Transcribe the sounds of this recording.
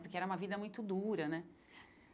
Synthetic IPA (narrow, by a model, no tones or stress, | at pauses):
pʊɾkeɛɾɐumɐvid̪ɐmũj̃t̪ʊd̪uɾɐnɛ